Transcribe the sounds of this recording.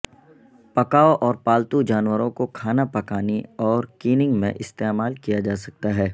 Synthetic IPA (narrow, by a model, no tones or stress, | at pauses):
pɐkaːoʔɔːɾpaːlt̪ud͡ʒaːnwəɾõkokʰaːnapɐkaːniɔːɾkiːnɪ̃ŋɡmḛ̃ʔɪst̪eːmaːlkijad͡ʒaːsɐk̚t̪aɦɛː